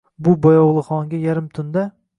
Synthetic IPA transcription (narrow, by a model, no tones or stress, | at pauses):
bʊbɒjɒwlˠɨχɒŋɡʲajaɾɪmt̪ʰʊnd̪a